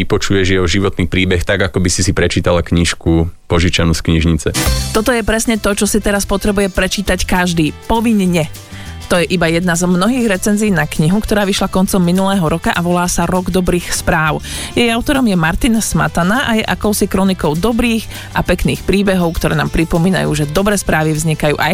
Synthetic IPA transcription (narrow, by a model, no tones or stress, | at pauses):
ipɔt͡ʃujɛʒɛjɛɦɔʒiʋɔt̪niːpɾiːbɛxt̪aɡakɔbisisipɾɛt͡ʃiːt̪alakɲiʃkupɔʒit͡ʃanuskɲiʒɲit͡sɛt̪ɔt̪ɔjɛpɾɛsɲɛt̪ɔt͡ʃɔsit̪ɛɾaspɔt̪ɾɛbujɛpɾɛt͡ʃiːt̪ackaʒd̪iːpɔʋiɲɲɛ | t̪ɔjɛʔibajɛd̪nazmnɔɦiːɣɾɛt͡sɛnziːnakɲiɦukt̪ɔɾaːʋiʃlakɔnt͡sɔmːinulɛːɦɔɾɔkaʔaʋɔlaːsaɾɔɡd̪ɔbɾiːxspɾaːʊjɛjaʊt̪ɔɾɔmjɛmaɾt̪insma̰t̪anaʔajɛʔakɔʊsikɾɔnikɔʊd̪ɔbɾiːx | ʔa̰pɛkniːxpɾiːbɛɦɔʊkt̪ɔɾɛ̰ːnaːmpɾipɔmiːna̰jṵːʒɛd̪ɔbɾɛːspɾaːʋivzɲikajṵːʔaj